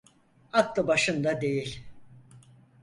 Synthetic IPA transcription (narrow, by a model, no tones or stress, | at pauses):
ak̪lˠɯbaʃɯnd̪ad̪e̞jilʲ